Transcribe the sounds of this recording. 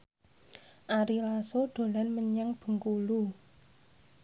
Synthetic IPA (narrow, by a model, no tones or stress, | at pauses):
ʔaɾilasoɖ̪̥o̤lanməɲaŋb̥ə̤ŋkulu